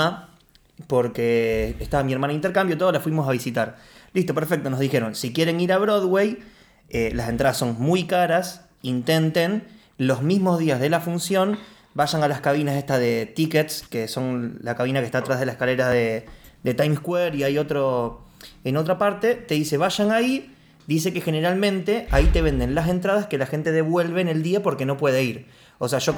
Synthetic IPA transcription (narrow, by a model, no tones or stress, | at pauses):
po̞ɾkeːht̪aβamie̞ɾmanaint̪eɾkambjot̪o̞ðolafwimo̞saβ̞isit̪aɾ | list̪o̞peɾfe̞k̚t̪o̞nozðixe̞ɾo̞nsikje̞ɾe̞niɾaβɾoðwe̞j | elase̞nt̪ɾaðaso̞nmujkaɾas | int̪e̞nt̪en | lo̞zmizmo̞zðiazð̞e̞lafunsjo̞n | baʃaŋalaskaβinase̞ht̪aðe̞t̪iket̪skeso̞nlakaβ̞inakest̪at̪ɾazɦð̞e̞lasehkale̞ɾaðed̪e̞t̪ajmskweɾiajo̞t̪ɾo | eno̞t̪ɾapaɾt̪e̞t̪e̞ðise̞βaʒaŋai | d̪is̬e̞kexe̞neɾalmẽ̞nt̪e̞ʔait̪e̞βẽ̞nd̪e̞nlas̬e̞nt̪ɾað̞aske̞laxe̞nt̪e̞ðeβwe̞lβene̞ld̪iapo̞ɾke̞no̞pwe̞ðeiɾ | o̞seaʃo̞